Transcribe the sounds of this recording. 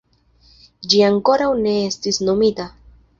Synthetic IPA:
d͡ʒiaŋko̞ɾawne̞estisno̞mita

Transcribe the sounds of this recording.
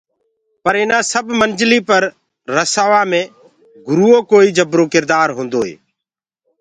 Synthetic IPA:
pəɾɪnãːsəbmənd͡ʒliːpəɾː | əsaːʋãːmẽː | ɡʊɾuːoːkoːiːd͡ʒəbɾõːkɪɾd̪aːɾɦõːnd̪oːḛː

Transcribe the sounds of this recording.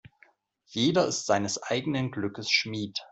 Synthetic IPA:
jeːdɐɪstz̥aɪnəsʔaɪɡənənɡlʏkəsʃmiːt

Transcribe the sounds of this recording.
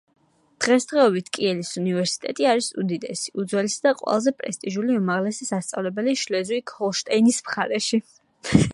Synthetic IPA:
d̪̥ʁɛsd̪ʁɛɔbit̪ʰkʼiɛlisunivɛɾsi̥t̪ʼɛ̰t̪ʼiaɾisud̪id̪ɛsi̥ʔud̪zwɛlisd̪aqʼwɛ̰lˠazɛpʼɾɛst̪ʼiʒuliumaʁlɛsisast̪sʼa̰vlɛbɛliʃlɛzuikʰɔlˠʃt̪ʼɛinismχaɾɛʃi

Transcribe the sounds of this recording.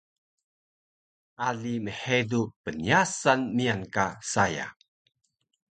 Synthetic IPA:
ʔaɮiməħedupəniasanmiankasaja̰

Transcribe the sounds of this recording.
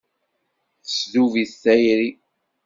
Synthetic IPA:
θəsðuviθθæjɾi

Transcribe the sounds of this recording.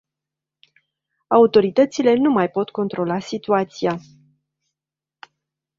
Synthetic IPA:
aut̪o̞ɾit̪ət̪sile̞numajpo̞t̪ko̞nt̪ɾo̞lasit̪uat̪sia

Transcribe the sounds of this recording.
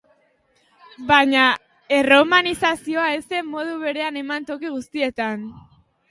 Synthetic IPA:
bajɲa | e̞ro̞manisasio̞ae̞se̞mːo̞ð̞uβe̞ɾe̞ane̞mant̪o̞kiɣust̪ie̞t̪an

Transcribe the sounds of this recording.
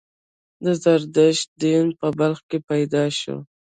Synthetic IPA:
d̪əzaɾd̪əʃ̚d̪inpəbalxkepajd̪ɑʃo̰

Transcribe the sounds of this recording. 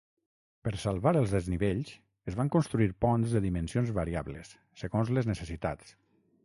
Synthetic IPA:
pəɾsalˠβaɾəlˠzðəzniβeʎs | əzβaŋkonst̪ɾuiɾpɔnzðəðimənsionzβəɾiaβləsːəɣonzləznəsəsit̪a̰t͡s

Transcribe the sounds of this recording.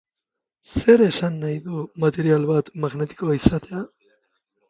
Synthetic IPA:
seɾesanːajðumat̪eɾijalβaːt̪maɣnet̪i̥koisat̪ʰea

